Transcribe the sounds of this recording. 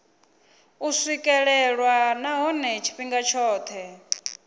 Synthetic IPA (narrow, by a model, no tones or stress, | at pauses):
uswikʼɛɺɛɺwanaɦɔnɛt͡ʃʰi̥ɸiŋɡat͡ʃʰɔːt̪ʰɛ